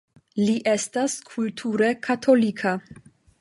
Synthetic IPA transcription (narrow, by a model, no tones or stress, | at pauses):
liʔestaskʰultʰuɾekʰatʰo̞likʰa